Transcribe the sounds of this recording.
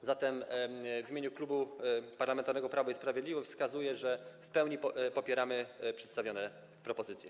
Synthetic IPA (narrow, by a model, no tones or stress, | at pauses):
zat̪ɛmvʲimʲeɲuklubupaɾlamɛnt̪aɾnɛɡɔpɾavɔispɾavjd̪lʲivɔfskazujɛʐɛfpɛwɲipɔpʲjɛɾamɘpʂɛt̪st̪avʲjɔnɛ | pɾɔpɔzɘt̪sʲjɛ